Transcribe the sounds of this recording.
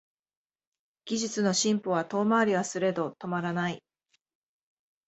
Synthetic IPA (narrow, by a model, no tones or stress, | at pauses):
ɡ̥ʲiʑit͡sɨno̞ɕĩmpoβat̪o̞ːmaːɾʲiβ̞asɨɾe̞d̪o̞t̪o̞maɾanai